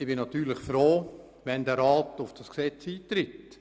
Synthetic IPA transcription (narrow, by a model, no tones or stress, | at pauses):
ɪb̥ɪnɑt̪yːɾlɪχfɾoː | ʋɛndɛɾɑːtʊfd̥ɑsksɛt͡siːt̪ɾɪt